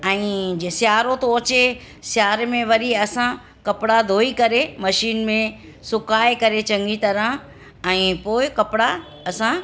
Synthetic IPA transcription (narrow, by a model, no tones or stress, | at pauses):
ɛ̃ːsjaːɾot̪oɐt͡ɕe | sjaːɾmẽʋɐɾiɐsã | kɐpɽad̪ʱoːikɐɾemɐʃiːnmẽ | sʊkaːekɐɾet͡ɕɐ̃ŋɡit̪ɐɾə̃ | ɛ̃ːpoːɪkɐpɪɽa | ɐsã